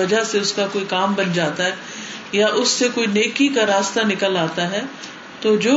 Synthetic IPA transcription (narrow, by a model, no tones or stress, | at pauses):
ɐd͡ʒaseʊskakoːikaːmbɐnd͡ʒaːt̪aɦɛ | jaʔʊsːekoːineːkikaɾaːst̪anɪkəlaːt̪aɦɛː | t̪oːd͡ʒoː